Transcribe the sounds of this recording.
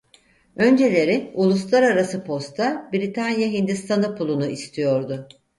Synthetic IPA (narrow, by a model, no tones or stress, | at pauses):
ø̞nd͡ʒe̞lʲe̞ɾiulˠuslˠaɾaɾasɯpʰo̞st̪ʰabiɾit̪ʰanjaɦind̪ist̪ʰanɯpʰulˠunuist̪ʰijo̞ɾd̪ʊ